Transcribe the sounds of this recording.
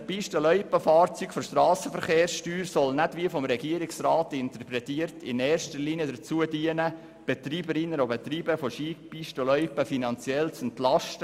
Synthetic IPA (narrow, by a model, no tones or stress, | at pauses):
əpiʃtəlœʏpəfɑːrt͡syːkfɔʃtrɑːsəfəɾχeːɾsʃtyːɾsɔlnædʋiəfɔmɾɛɡiəɾɪksrɑːtɪnt̪əɾpɾɛtiəɾtʰɪnɛːrʃtəɾliniədəɾt͡suədiənə | b̥ɛtɾiːbəɾɪnːənobɛt̪ɾiːbəfoʃiːk̚piʃtəlœʏpəfinɑnt͡sjɛlt͡sɛntlɑʃtə